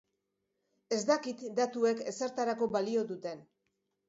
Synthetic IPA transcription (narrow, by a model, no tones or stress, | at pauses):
e̞zd̪akit̪d̪at̪ue̞ke̞seɾt̪aɾako̞balio̞d̪ut̪e̞n